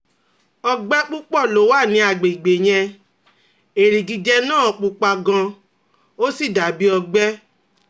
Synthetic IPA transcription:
ɔ˧ɡ͡bɛ˦k͡pu˦k͡pɔ˦˨lo˨˦wa˦˨nĩ˨˧˦a˨ɡ͡be˨i˨ɡ͡be˨j̃ɛ̃˧ | e˨ɾi˨ɡi˨d͡ʒɛ˧nãː˦˨ɔ˨k͡pu˧k͡pa˧ɡã˧ | o˦si˦˨da˨˦bi˦ɔ˧ɡ͡bɛ˦

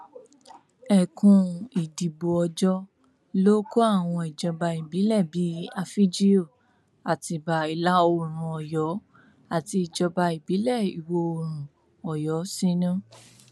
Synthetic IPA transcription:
ɛ˨kũ˧i˨di˨bo˨ɔ˨d͡ʒɔ˧ | lo˦ko˦a˦˨w̃ɔ̃˧i˨d͡ʒɔ˧ba˧i˨bi˨˦lɛ˦˨bi˨˦a˧fi˦d͡ʒi˦o˦˨ | a˨ti˧˨ba˨i˨la˨˦o˧˨ɾ̃ũ˨ɔ˨jɔ˨˦ | a˨ti˧i˨d͡ʒɔ˧ba˧i˨bi˨˦lɛ˦˨i˨wo˧o˧˨ɾ̃ũ˨ | ɔ˨jɔ˨˦sĩ˦nũ˦

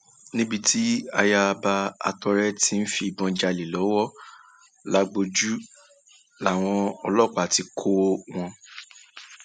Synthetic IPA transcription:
nĩ˦bi˧ti˦a˧ja˧ba˧a̰˧tɔ˧ɾɛ˦ti˦n̩˦fi˧i˨bɔ̃˧d͡ʒa˧li˨lɔ˨˦wɔ˦ | la˨˦ɡ͡bo˧d͡ʒu˦ | la˨w̃ɔ̃˧ɔ˧lɔ˦˨k͡pa˨ti˧kʰo˦w̃ɔ̃˧

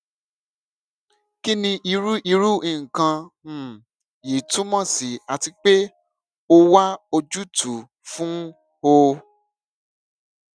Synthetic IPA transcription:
ki˦nĩ˧i˧ɾu˦ʔi˧ɾu˦ʔĩ˨kã˧˨ | je˨tũ˨˦mã˦˨si˨a˨ti˧k͡pe˦ | o˦wa˦o˧d͡ʒu˦tʰu˨ | fũ˦ | o˧

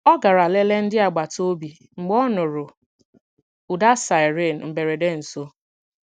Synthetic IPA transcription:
ɔ˦ɡa˨ɾa˨le˦le˦n̩˦dɪ˦a˨ɡ͡ba˨to˦bi˨ | ŋ͡m̩˨ɡ͡bɔ˦nʊ˨ɾʊ˨ | u˨da˦sa˨ɪ˨ɾe˦˨n̩˨m̩˨be˨ɾe˨de˦n̩˨so˦

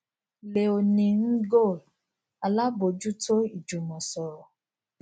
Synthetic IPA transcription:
le˨o˧nĩ˧ŋ̩˦ɡo˦˨l | a˨la˦bo˨˦d͡ʒu˦to˦i˦˨d͡ʒu˨mɔ̃˨sɔ˨ɾɔ˨

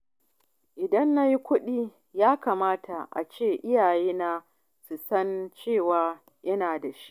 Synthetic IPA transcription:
ʔɪ˨dɐ˦nːa˦ji˦kʷʊ˦ɗiː˦ | jaː˦kaː˨maː˦ta˨ʔa̰˨t͡ʃeː˦˨ʔɪ˦jaː˨jeː˦na˦ | su˨sɐ˦nt͡ʃeː˦˨waː˨ | jɐ˦naː˨da˨ʃi̥˦ʔ

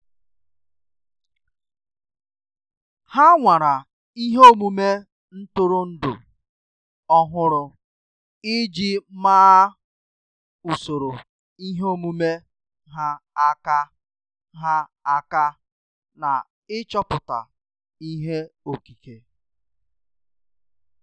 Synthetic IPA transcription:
ha˦ŋʷa˨ɾa˨ | i˦ɦe˦o˦mu˦me˦ | n̩˦tʊ˦ɾʊ˦n̩˦dʊ̰˨ | ɔ˦ɦʊ˦ɾʊ˦ | ɪ˦d͡ʒi˦maː˦ | u˨so˨ɾo˨ | i˦ɦo˦mu˦me˦ | ɦa˦a˦ka˦ | ɦa˦a˦ka˦ | na̰˨ | ɪ˦t͡ʃɔ˦pʊ˨ta̰˨ | i˦ɦe˦o˨ki˨ke˨

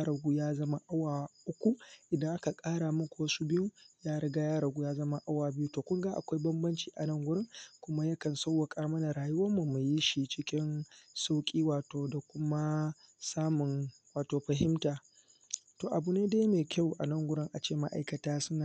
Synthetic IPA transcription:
ɾɐ˨ɡʷu˦jaː˦zɐ˦ma˦ʔa˦waː˨ʔʊ˦kʷu˦ʔɪ˨dɐ˦ʔa˦ka˨kʼaː˦ɽa˨mʊ˦kʷu˨wɐ˦su˦bɪ˦ju˦jaː˦ɽɐ˦ɡa˦jaː˦ɾɐ˨ɡʷuː˦jaː˦zɐ˦ma˦ʔa˦waː˨bɪ˦ju˦toː˨kʷʊ˦ŋɡa˦ʔa˨kʷa˦jbɐ˦mbɐ˦nt͡ʃiː˨ʔa̰˨nɐ˦˨ŋɡʷʊ˦ɽɪ˦ŋkʷʊ˦ma˦jɐ˦kɐ˨nsa˦wːa˨kʼaː˦mɐ˦na˨ɾaː˨jʊ˦wɐ˦mːu˨me˨ji˦ʃi˨t͡ʃɪ˦kʲɪ˦nsa˦wkʲʼiː˦waː˨toː˨da˨kʷʊ˦ma˦saː˦mʊ˨n | waː˨toː˨ɸɐ˨ɦɪ˦mtaː˨ | toː˨ʔa˨bu˨neː˦deː˦jmeː˨kʲʰa˦˨wʔa˨nɐ˦˨ŋɡʷʊ˦ɽɪ˦ŋʔa˨t͡ʃeː˦˨ma̰˦ʔa̰˨jkɐ˨taː˦sʊ˦na˨

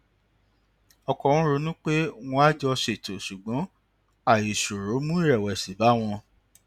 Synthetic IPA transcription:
ɔ˧kɔ˧˨w̃ɔ̃˦ɾo˧˦nũ˦k͡pe˦w̃ɔ̃˧˦a˦d͡ʒɔ˧ʃe˨to˨ʃu˨ɡ͡bɔ̃˨˦ | a˨ji˨ʃo˨ɾo˨˦mũ˦ɾɛ˦˨wɛ˨si˨ba˨˦w̃ɔ̃˧

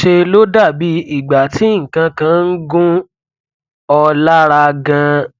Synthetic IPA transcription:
ʃe˧lo˦da˦˨bi˨˦i˦˨ɡ͡ba˨ti˨˦ŋ̩˨kã˧kã˨˦n̩˦ɡũ˦ | ɔ˧la˦ɾa˧ɡã˧

